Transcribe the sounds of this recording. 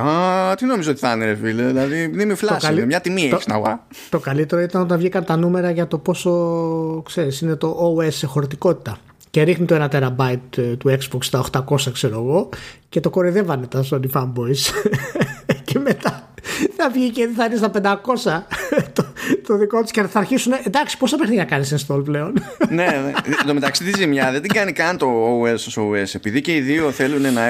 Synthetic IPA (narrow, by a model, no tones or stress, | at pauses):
at̪inomizot̪i̥θɐneɾefilðilɐðinemiflɐosklemɲɐt̪imiçist̪inɐ̰vɐ̰ | t̪o̞kɐlit̪e̞ɾo̞it̪ɐnot̪ɐnvʝikɐnt̪ɐnume̞ɾɐʝɐt̪o̞po̞so̞kse̞ɾisine̞t̪o̞ʔoesexo̞ɾt̪iko̞t̪i̥t̪ɐ | ce̞ɾixnit̪oe̞nɐt̪eɾɐbɐit̪t̪ue̞kszbokst̪ɐoxt̪ɐko̞sɐkse̞ɾo̞ɣo̞ce̞t̪o̞ko̞ɾiðe̞vɐnet̪ɐsonifɐmbo̞is | ceme̞t̪ɐθɐvʝicetðiθɐinest̪ɐpend̪ɐko̞sɐt̪ot̪oðiko̞t̪u̥scenθɐɾçisuneʔend̪ɐksi̥posɐpexnicnɐkɐnisenst̪o̞lple̞o̞nnenet̪omet̪ɐkst̪it̪izimɲɐðed̪iɡɐnikɐnit̪o̞uesosoese̞piðice̞iðio̞θe̞lune̞nɐ